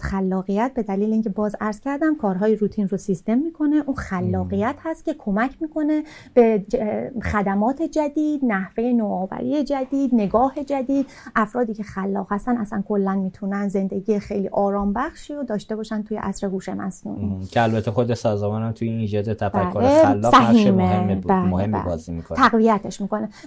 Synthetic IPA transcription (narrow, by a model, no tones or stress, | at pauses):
χælːɒːɣijæt̪̚be̞d̪æliːleiːŋcʰe̞bɒːzæɾz̥cʰæɾd̪æmkʰɒːɾɦɒːjeɾuːt̪ʰinrosist̪e̞mːiːkʰo̞ne̞ʔuːnxælːɒːɣijæt̪hæst̪̚cʲe̞kʰo̞mæcʰmiːkʰo̞ne̞ | b̥e̞ | xæd̪æmɒːt̪ʰe̞d͡ʒæd̪iːd̪̥næhve̞jenoɒːvæ̰ɾḭje̞d͡ʒæd̪iːd̪ne̞ɡɒːhe̞d͡ʒæd̪iːd̪̥ | ʔæfɾɒːd̪iːcʰe̞xælːɒ̰ːɣhæst̪ænæsænkʰo̞lːænmiːt̪ʰunænze̞nd̪e̞ɟiːjexe̞jlḭːʔɒːɾɒːmbæxʃiːɾod̪ɒːʃt̪e̞bɒːʃænt̪ʰujeʔæsɾeɡuːʃe̞mæ̰snṵːnkʰeælbæt̪ʰːexod̪esɒːzɒmɒːnæmt̪ʰujiniːd͡ʒɒːd̪et̪ʰæfbææːloelːsæɦiːmebæmohemæ̰bɒːzimḭt̪ʰæɣvijæt̪ʰeʃmiːkʰo̞ne